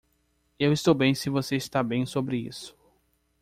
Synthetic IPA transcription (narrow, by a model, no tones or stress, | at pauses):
ewist̪owbẽj̃sɪvoseist̪abẽj̃sobɾɪḭsʊ̥